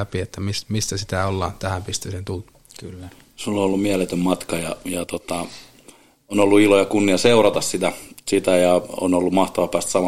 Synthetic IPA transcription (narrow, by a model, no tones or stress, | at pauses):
æpiet̪ːæmismist̪æsit̪æolːɑːnt̪æhæmpist̪ysent̪uːt̪ | kylː | sulːoolːummiælet̪ømmɑt̪kɑjɑ̰jɑt̪ot̪ɑ | onolːuilojɑkunːiɑseurɑt̪ɑssit̪æsit̪æjɑo̰nolːumɑht̪ɑʋɑpæːst̪sɑmɑ